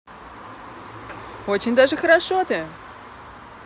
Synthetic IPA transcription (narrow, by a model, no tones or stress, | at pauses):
ot͡ɕɪnʲd̪aʐɨxɐɾaʂot̪ɨ